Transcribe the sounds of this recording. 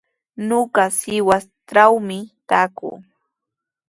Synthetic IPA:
noɢɑsɪwast̪ɾawmɪt̪aːkʊ̰ː

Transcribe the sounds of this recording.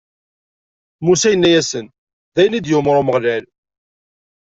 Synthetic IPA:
musæjənːæjæsən | ðæjənid̪jʊmɾˤʊməʁlæl

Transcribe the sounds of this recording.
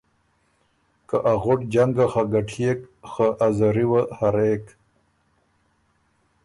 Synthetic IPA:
kaʔaɣʊʈd͡ʑaŋɡaxaɡaʈʰekxaʔːzaɾiwahaɾek

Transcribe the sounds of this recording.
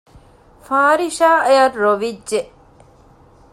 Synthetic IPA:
faːɾiʃaːejɐrːoʋidʒeʔ

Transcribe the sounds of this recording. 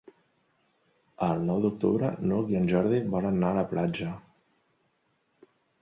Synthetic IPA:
əlˠnɔwd̪uk̚t̪ṵβɾə̰noðiənʲʒɔɾðiβɔlənːaləplad͡ʒə

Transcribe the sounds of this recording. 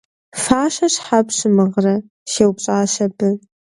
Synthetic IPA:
faːʃɐɕħapɕɨmɨʁrɐ | ʃeːwpɕʼaːʃɐbɨ

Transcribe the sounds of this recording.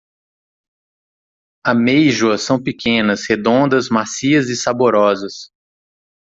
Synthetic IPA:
amejʒuɐsɐ̃w̃pikẽnɐshed̪õnd̪ɐzmasiɐzɪsaboɾɔzɐs

